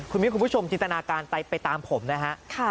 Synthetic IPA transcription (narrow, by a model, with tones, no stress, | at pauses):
kʰu˧nmi˦˥kʰu˧pt͡ɕʰo˧mt͡ɕi˧nt̪a˧naː˧kaː˧nt̪a˧jpa˧jt̪aː˧mpʰo˩˦mna˦˥kʰa˦˥ʔkʰa˥˩